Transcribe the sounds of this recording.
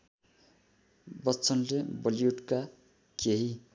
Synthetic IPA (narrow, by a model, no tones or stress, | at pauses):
bʌtːt͡sʰʌnlebʌlijuʈka | keɦi